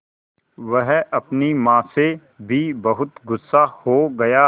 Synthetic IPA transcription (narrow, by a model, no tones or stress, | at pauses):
ʋɐɦɐpnimãːse | bʱibɐɦʊt̪ɡʊsːahoːɡɐjaː